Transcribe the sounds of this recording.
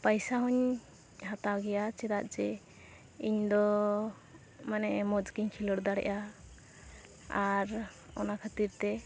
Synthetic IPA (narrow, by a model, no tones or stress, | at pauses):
pajsaɦɔɲ | hat̪awɡɛjat͡ʃɛɾaʔd͡ʒɛ | iɲd̪ɔ | manɛʔmɔd͡ʒkiɲkʰilɔɽd̪aɽɛ̰ʔa | aɾ | ɔnakʰat̪iɾt̪ɛ